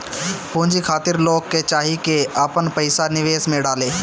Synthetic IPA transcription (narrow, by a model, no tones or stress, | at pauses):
pũːɲd͡ʒikʰaːt̪ɪɾloːkːet͡ʃaːɦikeɐpənpɐɪsanɪʋeːsmẽɖaːleː